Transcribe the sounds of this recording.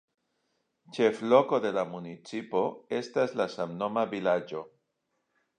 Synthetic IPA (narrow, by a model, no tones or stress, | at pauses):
t͡ʃe̞flo̞ko̞d̪e̞lamunit͡sipo̞e̞staslasamno̞mavilad͡ʒo̞